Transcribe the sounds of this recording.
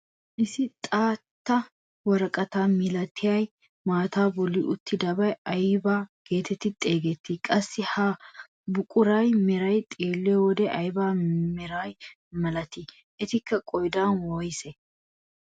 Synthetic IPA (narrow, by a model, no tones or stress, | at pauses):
ʔɪsɪt̪ʼaːt̪ːɐ | wɔɾɐkʼɐt̪aːmɪlɐt̪ʰːɪjɐj | maːt̪aːbɔlːɪʔʊt̪ʰːɪd̪ɐbɐjɐjbaːɡ̥e̞ːt̪ɛt̪ːɪt̪ʼeːɡɛt̪ːɪkʼɐsːɪhɐ | bʊkʼʊɾɐjmɛɾɐjt̪ʼeːlːɛwɔd̪ɛʔɐjbaːmɛɾaj | mɐlɐt̪ɪ | ʔɛt̪ɪkːɐkʼɔjd̪aːnwɔjsɛ